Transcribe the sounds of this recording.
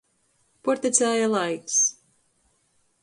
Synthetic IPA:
puɾt̪it̪sʲæːjalˠajks

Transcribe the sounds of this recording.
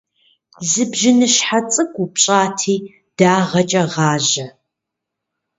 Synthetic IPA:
zɨbʒɪnɨʃħat͡sʼɨkʷʼupɕʼaːtʰiː | d̥aːʁɐt͡ʃʼɐʁɑːʑɐ

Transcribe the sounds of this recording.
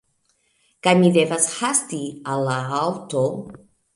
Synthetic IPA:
kaɲiðevashast̪ialaawt̪o

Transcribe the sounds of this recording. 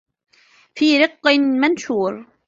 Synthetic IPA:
fiːɾɨqːɨmanʃuːɾ

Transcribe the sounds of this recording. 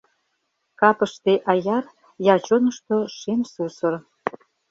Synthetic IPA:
kɑpəʃt̪eʔɑjɑr | jɑt͡ɕonə̆ʃt̪oʃemsusə̆r

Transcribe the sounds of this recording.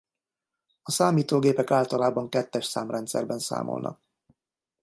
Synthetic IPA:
ɒsaːmiːt̪oːɡeːpɛkaːlt̪ɒlaːbɒŋkɛt̪ːɛʃsaːmrɛnt̪sɛ̰rbɛnsa̰ːmʔo̰lnɒ̰k̚

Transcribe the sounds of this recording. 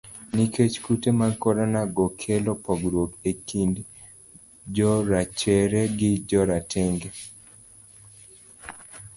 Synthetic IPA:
niket͡ʃkutemakɔɾanaɡɔkʰelɔpɔɡɾokekind | d͡ʒɔɾat͡ʃɛɾɛɡɪd͡ʒɔɾatʰɛŋɡe

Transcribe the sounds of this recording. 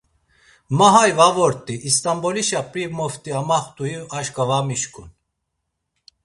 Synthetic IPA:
maɦajvavɔɾt̪ʼiʔːst̪ʼambɔliʃapʼɾimɔft̪ʼiamaχt̪ʼujiaʃkʼavamiʃkʼun

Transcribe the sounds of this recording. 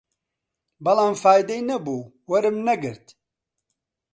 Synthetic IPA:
bɐlaːmfaːjd̪ɛjnɐbuː | wɐɾɨmnɐɡɨɾt̪

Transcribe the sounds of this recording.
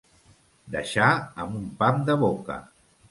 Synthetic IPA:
d̪ə̰ʃaəmumpamd̪əβokə̰

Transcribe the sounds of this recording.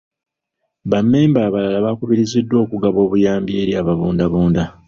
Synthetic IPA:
βamːeːmbaːβalalaβakuβiɾizidːwo̞ːkuɡaβo̞ːβujaːmbie̞ɾjaːβaβuːndaβoːnda

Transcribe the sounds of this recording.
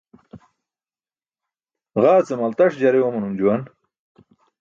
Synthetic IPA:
ɣaːt͡semɐlt̪ɐʂd͡ʑɐɾewomɐnumd͡ʑuwɐn

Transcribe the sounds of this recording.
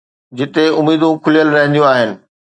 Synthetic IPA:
d͡ʑɪt̪eʊmːiːd̪ũkʰʊlijəlɾɐɦnd̪jũaːɦɪnɪ̆

